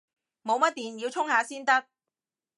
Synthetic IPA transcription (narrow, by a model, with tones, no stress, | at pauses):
mo˨˧wmɐ˥t̚t̪iː˨njiː˧wt͡sʰʊ˥ŋhaː˨˧siː˥nt̪ɐ˥k̚